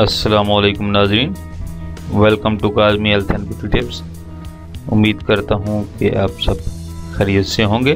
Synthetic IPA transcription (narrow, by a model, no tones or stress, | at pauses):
ɐsːɐlaːmoːleːkʊmnaːzɾiːn | ʋelkəmʈukaːzmĩɐlt̪ʰɐnpɪʈiʈɪps | ʊ̰mːiːd̪kɐɾt̪aɦũkeʔaːpsɐb̚ | xɐɾijəd̪seɦõːŋɡeː